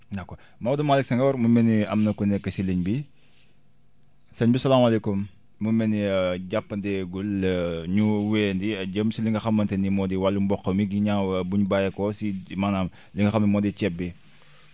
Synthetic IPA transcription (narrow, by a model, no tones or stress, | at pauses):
nɐkːo | mɐwɐdɐmaliksɐŋɡɐwɐɾmumɛniɐ̰mnɐkɔnɛkːɐsiləɲbi | sɐɲbisɐlaːmɐlekumː | umɛniɟapːɐndɛɡulːɲuwɛːndiɐɟəmsiliŋɡɐxɐmːɐntenimɔdiwalːumbɔkːɐmiɡiɲaːbuɲubajɐkɔsimanaːm | liŋɡɐxɐmimɔdicɛb̚ːi